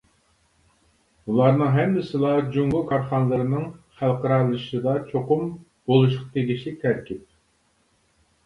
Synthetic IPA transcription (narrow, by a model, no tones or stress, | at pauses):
ulˠɑɾnɨŋɦɛmːɪsɨlˠɑd͡ʒuŋɡʊlˠkʰɑɾχɑnlˠɨɾɨnɨŋχælˠqəɾɑlˠɨʃɨd̪ɑt͡ʃʰoqʊm | b̥olˠuʃ̬qʰɑt̪ʰeɡʲiʃit̪ʰæɾkʲɪp̚